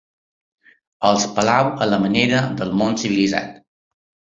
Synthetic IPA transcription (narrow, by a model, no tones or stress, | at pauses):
əlˠspəlawələməneɾəd̪əlˠmonsiβiliza̰t̪